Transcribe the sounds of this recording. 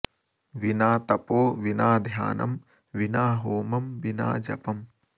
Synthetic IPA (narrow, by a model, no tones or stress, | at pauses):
ʋinaːt̪ɐpoːʋinaːd̪ʱja̰ːnʔɐ̰m | ʋinaːɦoːmɐmʋina̰ːd͡ʒɐ̰pɐm